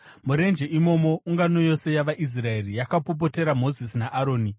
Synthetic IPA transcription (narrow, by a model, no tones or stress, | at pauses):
muɾe̞nd͡ʒeʔimo̞mo̞uŋɡano̞jo̞se̞jaʋaʔis̬raerijakapop̬o̞te̞ɾamo̞zisinaʔaɾo̞ːni